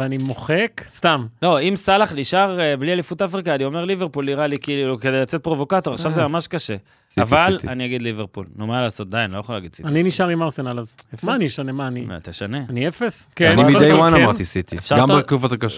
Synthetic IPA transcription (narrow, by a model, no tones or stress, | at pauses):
veanimoχekst̪amlo̞imsalaχliʃaʁeblialifut̪afʁikaːnio̞me̞ʁlive̞ʁpulːiʁalikiːlluke̞d̪e̞jlat͡set̪̚pʁo̞vo̞kat̪o̞ʁaχʃavzemamaʃkaʃe̞ | avvalltaniaɡid̪liveʁpulnumalaːso̞t̪̚d̪ajinlo̞jaχolaɡid̪̥̚si̥taniniʃaʁimaʁsenalazmanijeʃanemaːnima̰t̪eʃane̞aniefeskennimidejwanamaʁt̪isit̪iefʃaʁɡambekufat̪akaʃ